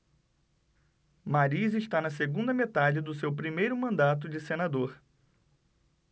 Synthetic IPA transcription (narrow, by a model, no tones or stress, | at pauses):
maɾizɪʃt̪anɐseɡũnd̪ɐmet̪ad͡ʒɪd̪ʊsewpɾimejɾʊmɐ̃nd̪at̪̬ʊd͡ʒɪsenad̪oɾ